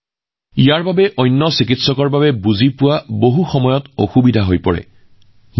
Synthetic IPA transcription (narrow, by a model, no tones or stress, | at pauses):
ijaɹbabɛʔɔjnːɔsikitsɔkɔɹbabɛbuzipʊwaboɦuxɔmɔjɔtoxubidʱaɦojpɔɹɛ̰